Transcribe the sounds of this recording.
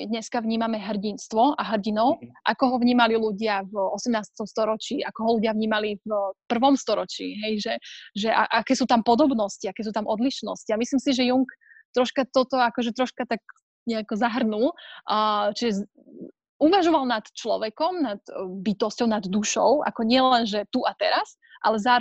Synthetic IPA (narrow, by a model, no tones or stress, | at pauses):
d̪ɲɛskaʋɲiːmamɛɦr̩ɟinst̪ʋɔaɦr̩ɟinɔʊʔa̰kɔɦɔʋɲiːmaliluɟɪavɔsɛmnaːst̪ɔmst̪ɔɾɔt͡ʃiːʔakɔɦɔluɟɪavɲiːmalifpr̩ʋɔmst̪ɔɾɔt͡ʃḭːɦɛjʒɛʒɛʔa̰ʔakɛːsuːt̪ampɔd̪ɔbnɔsciakɛːs̬uːt̪amʔɔd̪liʃnɔ̰sciamisliːmsiʒɛjuŋkt̪ɾɔʃkat̪ɔt̪ɔakɔʒɛt̪ɾɔʃkat̪ak̚ | ɲɛakɔzaɦrnulː | t͡ʃiʒɛ | uʋaʒɔʋalˠnat̪t͡ʃlɔ̰ʋɛkɔmnat̪bit̪ɔscɔʊnad̪ːuʃɔ̰ʊʔa̰kɔɲɪɛlɛnʒɛt̪uʔat̪ɛɾas | ʔa̰lɛza